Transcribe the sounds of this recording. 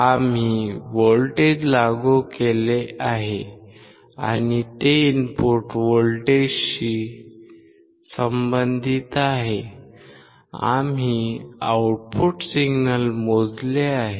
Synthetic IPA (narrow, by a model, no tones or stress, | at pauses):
am̤iʋolʈed͡ʑlaɡukeleaɦe | a̰ñit̪einpoɾʈʋoɭʈeɕi | səmbənd̪ʱit̪aɦe | a̰mɦiawʈpʰuʈsiɡnəlmod͡zleaɦe